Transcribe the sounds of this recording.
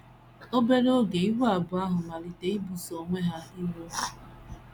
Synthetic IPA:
o˦be˦ɾo˦ɡe˨i˦ɦʷa˨bʊ˨a˦ɦʊ˨ma˨ɾi˨te˨i˦bu˨so˨ŋʷe˦ɦa˦i˦ɦo˦

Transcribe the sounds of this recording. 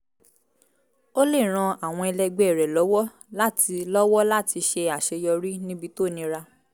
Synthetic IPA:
o˦le˦˨ɾ̃ã˧a˨w̃ɔ̃˧ɛ˧lɛ˧ɡ͡bɛ˨ɛ˨ɾɛ˨lɔ˨˦wɔ˦ | la˦ti˧lɔ˦wɔ˦la˦˨ti˧ʃe˧a˨ʃe˧jɔ˧ɾi˦nĩ˦bi˧to˦˨nĩ˧ɾa˧

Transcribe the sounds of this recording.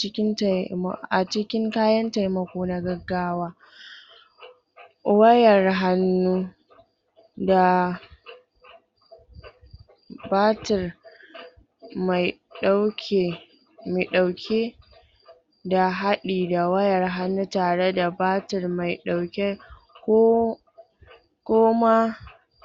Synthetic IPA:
t͡ʃɪ˦kʲɪ˦n˨m̰˨ʔa˨t͡ʃɪ˦kʲɪ˦ŋkaː˦jɐ˦nta˨jmɐ˨kʷoː˦na˦ɡɐ˦ɡːaː˦waː˦ | wɐ˦jɐ˨rɦa˦nːuː˦ | da˨ | baː˦tɪ˨r | ma˨jɗa˦wkʰʲe˨ | mi˨ɗa˨wkʲʰe˦ | da˨ɦa˦ɗiː˨da˨wɐ˦jɐ˨rɦa˦nːuː˦taː˨ɽe˦da˨baː˦tɪ˨rma˨jɗa˨wkʲe˦ | kʷo˦ | kʷoː˦ma˦

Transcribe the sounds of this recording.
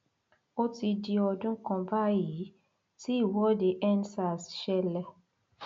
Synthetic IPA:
o˦ti˧di˧ɔ˧dũ˦kɔ̃˧ba˦ji˨˦ | ti˦i˦˨wɔ˦de˨ʔɛ˦nsa˨sʃɛ˦lɛ˧

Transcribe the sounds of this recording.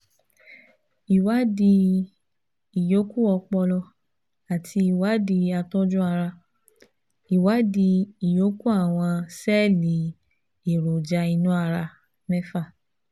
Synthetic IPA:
i˨wa˦di˧ | i˨jo˨˦ku˦ɔ˧k͡pɔ˧lɔ˧ | a˨tʰi˧i˨wa˨˦di˧a˧tɔ̃˦d͡ʒũ˦a˧ɾa˧ | i˨wa˨˦di˧i˨jo˨˦ku˦a˦˨w̃ɔ̃˧sɛ˦˨li˨˦ | i˨ɾo˨d͡ʒa˧i˧nũ˦a˧ɾa˧ | mɛ̃˦fa˦˨

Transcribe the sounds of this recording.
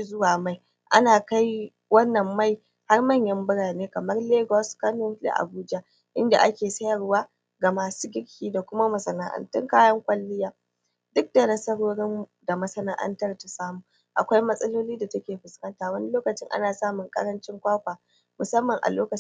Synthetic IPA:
zʊ˦waː˨ma˦j | ʔa̰˦naː˨ka˦j | wɐ˦nːɐ˨mːa˦˨j | ha˦rmɐ˦ɲjɐ˦mbʊ˦ɽaː˨neː˦kɐ˨mɐ˦rleː˦ɡɔ˦skɐ˦nɔ˦la̰˨ʔa̰˨buː˦d͡ʒa˦ | ʔɪ˦nda˨ʔa˦kʲeː˨sɐ˦jɐ˨rwaː˦ | ɡa˨maː˨suː˦ɡʲɪ˦ɽkʲiː˦da˨kʷʊ˦ma˦mɐ˨sɐ˨na˦ʔɐ̰˦ntʊ˦ŋkaː˦jɐ˦ŋkʷʼɐ˦lːɪ˦jaː˦ | dʊ˦k̚d̥a˨nɐ˦sɐ˦ɽoː˦ɽɪ˦mda˨mɐ˦sɐ˦na˦ʔɐ̰˦ntɐ˦rta˨saː˦muː˨ | ʔa̰˨kʷa˦jmɐ˦sʼɐ˦loː˦liː˦da˨tɐ˦kʲeː˨ɸʊ˨skɐ˦ntaː˨wɐ˦ni˦loː˦kɐ˨t͡ʃɪ˦ŋʔa̰˦naː˨saː˦mʊ˨ŋkʼɐ̰˦ɽɐ˦nt͡ʃɪ˦ŋkʷaː˦kʷaː˨ | mʊ˨sɐ˦mːɐ˨ŋʔa̰˨loː˦kɐ˨

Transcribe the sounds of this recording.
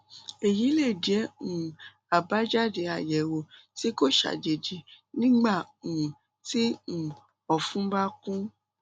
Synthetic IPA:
e˨ji˨˦le˦˨dɛ˨˦ũ˨ | a˨ba˨˦d͡ʒa˦de˧˦a˨jɛ˨wo˨ti˦ko˦ʃa̰˨d͡ʒe˨d͡ʒi˨ | nĩ˦ɡ͡ba˦˨ũ˨ | ti˦ũ˨ | ɔ˨fũ˦ba˦kũ˦

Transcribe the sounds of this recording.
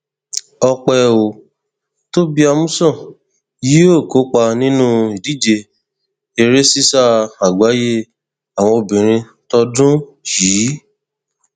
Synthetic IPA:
ɔ˧k͡pɛ˧o˨ | to˦bi˦a˧mũ˦sɔ̃˦˨ | ji˦o˦˨ko˨˦k͡pa˧nĩ˦nũ˦i˨di˨˦d͡ʒe˧ | e˧ɾe˦si˦sa˦˨a˨ɡ͡ba˨˦je˦ | a˨w̃ɔ̃˧o˧˨bĩ˨ɾ̃ĩ˧ | tɔ˧dũ˦jiː˨˦

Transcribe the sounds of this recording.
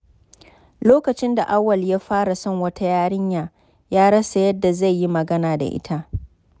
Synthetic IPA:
loː˦kɐ˨t͡ʃɪ˦nda˨ʔa˦wːɐ˨ljaː˦ɸaː˦ɽa˨sɔ˦˨ŋwɐ˦tʰa˦jaː˦ɽɪ˦ɲjaː˨ | jaː˦ɽɐ˦sa˨jɐ˦dːa˨za˦˨jjːi˦mɐ˨ɡɐ˦naː˨da̰˨ʔɪ̰˦tʰa˦ʔ

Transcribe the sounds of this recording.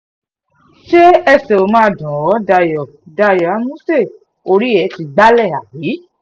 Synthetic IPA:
ʃe˦ɛ˧sɛ˨o˨˧˦mãː˦˨dã˨wɔ˨˦da˧jɔ˨ | da˧˨jɔ˨a˨˦mũ˦se˦˨ | o˧ɾi˦ɛ˨˦ti˨˧ɡ͡ba˦lɛ˦˨a˨ji˨˦

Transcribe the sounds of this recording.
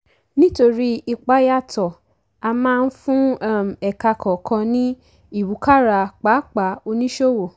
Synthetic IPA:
nĩ˦to˧ɾi˦i˦˧k͡pa˨˦ja˦˨tɔ˨ | a˧mãː˦˧n̩˦fũ˦a˦˨m̩˨ɛ˨ka˧kʰɔ˨kʰã˧nĩ˦ | i˦˨wu˨˦ka˦ɾa˧k͡pa˨˦k͡pa˨˦o˧nĩ˦ʃo˦wo˨

